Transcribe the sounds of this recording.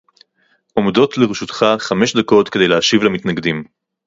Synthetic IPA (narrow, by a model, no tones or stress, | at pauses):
ʔo̞mdo̞t̪leʁeʃut̪χaχame̞ʃd̪ako̞t̪kede̞jleaʃivlamitnaɡd̪im